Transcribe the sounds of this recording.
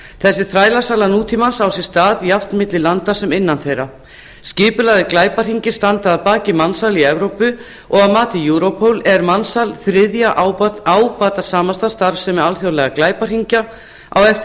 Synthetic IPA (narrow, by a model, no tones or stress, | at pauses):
θɛsːɪθɾaːjlasaːlanuːt̪ʰimansawsɛ̥st̪aːðjaft̪mɪt̪lɪlant̪asɛmɪnːanθejɾa | scɪːpʏlaɣðɪklaːjpar̥iɲcɪ̥st̪ant̪aːðpaːcɪmansaliɛvɾowpʏ | ʔɔɣaðmaːt̪ɪjuːɾopʰowlɛɾmansalθɾɪðjaʔawpaːt̪asaːmanst̪ast̪aɾvsɛmɛalθjowlɛɣaklaːjpar̥iɲca | a̰wɛft̪